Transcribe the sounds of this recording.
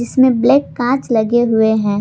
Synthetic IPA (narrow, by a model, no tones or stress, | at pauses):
d͡ʒɪsmẽblɛːkːãːt͡ʃlɐɡeɦʊeɦɛ̃ː